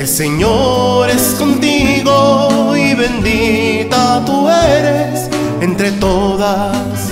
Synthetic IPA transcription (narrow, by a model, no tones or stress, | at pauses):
else̞ɲo̞ɾe̞sko̞nt̪iɣoiβe̞nd̪it̪at̪ueɾe̞s | e̞nt̪ɾe̞t̪o̞ða | s